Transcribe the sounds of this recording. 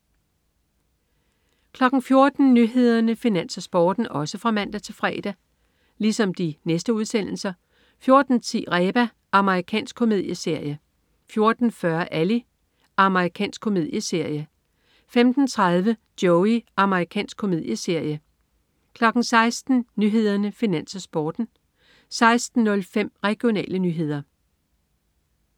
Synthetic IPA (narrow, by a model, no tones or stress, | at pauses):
kʰlɒ̽ɡ̥n̩fjo̝ɐd̥n̩nyɦe̝ð̞̰ˠɐnəfinæn̰sɐsb̥ɒ̰ːd̥n̩ɒ̽səfʁɑ̈mæn̰d̥æt͡sʰe̝lfʁɛ̰ːd̥æ | lisɒ̽md̥inesd̥əuð̞ˠsen̰l̩sɐ | fjo̝ɐd̥n̩t͡sʰḭːʁɛːb̥æ | ʔɑ̈məʁikʰɛ̰ːnsɡ̥kʰo̝me̝ð̞̰ˠjəse̝ɐ̰jə | fjo̝ɐd̥n̩fɶɐʔæli | ʔɑ̈məʁikʰɛ̰ːnsɡ̥̚kʰo̝me̝ð̰ˠjəse̝ɐ̰jə | femd̥n̩t͡sʰʁað̞ˠʋəd̥jɔʊiʔɑ̈məʁikʰɛ̰ːnsɡ̥̚kʰo̝me̝ð̞̰ˠjəse̝ɐ̰jə | kʰlɒ̽ɡ̥n̩sɑ̈ɪsd̥n̩nyɦe̝ð̞̰ˠɐnəfinæn̰sɐsb̥ɒːd̥n̩ | sɑ̈ɪsd̥n̩ːɔ̽lfem̰ʁɛɡ̥jo̝nɛ̰ːlənyɦe̝ð̞̰ˠɐ